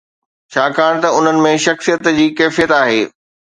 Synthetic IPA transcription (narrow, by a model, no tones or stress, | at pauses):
t͡ɕʰaːkaːɽ̃t̪ɐʊn̤ənɪ̆mẽʃɐxsijət̪d͡ʑiːkɛːfijət̪aːɦeː